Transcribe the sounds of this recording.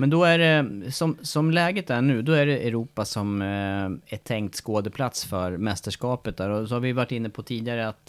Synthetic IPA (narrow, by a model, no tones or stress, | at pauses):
mɛnd̪ɔæɖɛsɔmsɔmlɛːɡət̪æɳʉ̟ːd̪ɔæɖɛʔɛɾuːpːasɔm | æʈʰɛŋkt̪skoːd̪əpʰlat̪sfœɾmɛst̪əʂkɑːpət̪̚d̪æːɾɔsɔhaɾvɪjɵvaʈːɪnːəpʰɔt̪ʰiːd̪ɪaɾəat̪